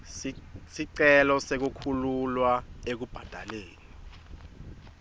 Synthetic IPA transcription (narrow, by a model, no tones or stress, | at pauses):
siǀɛlɔsek̬ukʰululwaek̬ub̥ʱad̥ʱaleːni